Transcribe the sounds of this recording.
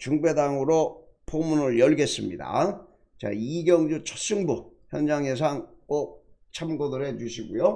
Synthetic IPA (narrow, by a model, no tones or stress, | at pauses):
t͡ɕuŋbe̞daŋɯɾo | pomunɯɭjʌɭɡe̞s͈ɯmɲida̰ | t͡ɕa̰iɡjʌŋd͡ʑut͡ɕʰʌs͈uŋbuçjʌnd͡ʑaŋes̬ʰaŋ | kok̚ | t͡ɕʰamɡodɯɾet͡ɕuɕʰiɡujo